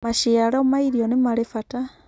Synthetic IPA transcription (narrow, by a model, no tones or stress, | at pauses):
maʃiaɾaomaiɾiɔnemaɾefata